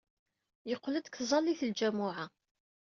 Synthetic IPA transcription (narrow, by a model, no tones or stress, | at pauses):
jəqʷːləd̪kθzˤɑlːiθld͡ʒæmʊʕa